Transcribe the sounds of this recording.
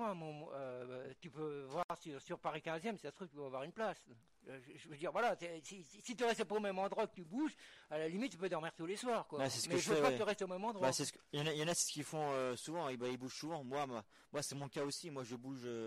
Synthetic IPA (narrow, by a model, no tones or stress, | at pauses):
ãmɔ̃øt̪ypøvwaʁsyʁsyʁpaʁikʲɛ̃zjɛmsɛt̪ɛ̃st̪χufk̪ipøavwaʁynplas | øʒəʒəvød̪iʁvwalasɛsisisit̪yʁɛst̪əpaomɛmɑ̃d̪ʁwakət̪ybuʒalalimit̪̚ːypød̪ɔʁmiʁt̪uleswaːʁkwaasɛsəmɛiføɛpaɛt̪əʁɛst̪eomɛmɑ̃d̪ʁwbasɛsəkjɑ̃najɑ̃nasɛ̥sə̥kʲilfɔ̃øsuvɑ̃ibaibuʒ̥suvɑ̃mwamwa | mwasɛmɔ̃kaosimwaʒəbuʒø